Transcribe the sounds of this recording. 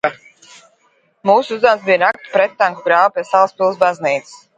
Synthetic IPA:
muːsuuzd̪awmsbijanakt̪pɾɛt̪ːaŋkuɡɾaːvupʲiɛsalˠspilˠs̬bazniːt̪ss

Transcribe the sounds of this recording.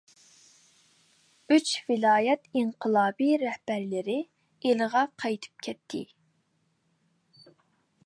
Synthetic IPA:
yt͡ʃvɪlˠɑːjɛt̪iŋqʰəlˠɑːbiɾɛhb̥æɾlɪɾɪ | eləʁɑqʰɑjt̪ʰɨ̥p̚kʲʰɛt̪ʰːɪ̰

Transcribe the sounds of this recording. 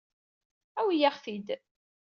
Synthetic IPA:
æwijæχθid̪

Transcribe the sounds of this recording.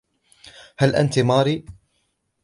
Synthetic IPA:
halʔa̰nt̪imɑːɾiː

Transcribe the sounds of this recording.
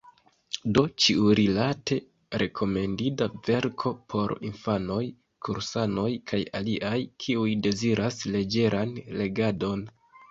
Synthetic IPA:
do̞t͡ʃiuɾilate̞ | ɾʔe̞kʰo̞me̞ndidave̞ɾkʰo̞pʰo̞ɾḭnfano̞j | kʰuɾsano̞jkʰajaliʔajkʰiujde̞ziɾʔasle̞d͡ʒe̞ɾʔanle̞ɡado̞n

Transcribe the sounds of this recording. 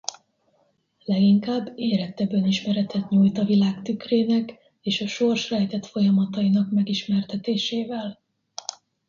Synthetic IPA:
lɛɡiŋkaːbːeːɾɛt̪ɛbøniʃmɛɾɛt̪ɛt̪ɲuːjt̪ɒvilaːkt̪ykreːnɛk | eːʃɒʃo̞rʃrɛjt̪ɛt̪fo̞jɒmɒt̪ɒinɒkmɛɡiʃmɛrt̪ɛt̪eːʃeːvɛl

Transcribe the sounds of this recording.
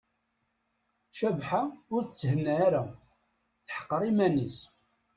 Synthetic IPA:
ʃævħaʊɾθt͡sːəhənːæːɾæ | θħə̥qːɾˤimænis

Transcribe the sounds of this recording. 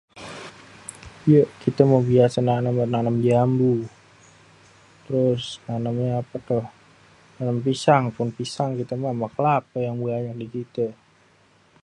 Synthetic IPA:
jəʔkit̪əmabiasənanəmnanəmd͡ʒambu | t̪əɾʊsnanəmɲaapat̪ʊh | nanəmpisaŋpʊnpisaŋkit̪əmamakəlap̚əjaŋmuaɲak̚dikit̪ə

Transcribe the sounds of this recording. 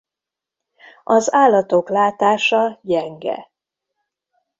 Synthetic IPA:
ɒzaːlːɒt̪o̞klaːt̪aːʃɒɟɛŋɡɛ̰

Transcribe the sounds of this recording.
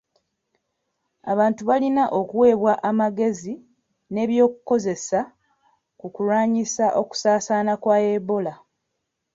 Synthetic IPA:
a̰βaːntuβalinaʔo̞kuwe̞ːβwaʔamaɡe̞zi | ne̞ːβjo̞ːkuko̞ze̞sa | kukulwaːɲisaʔo̞ku̥saːsaːnakwaːe̞βo̞la

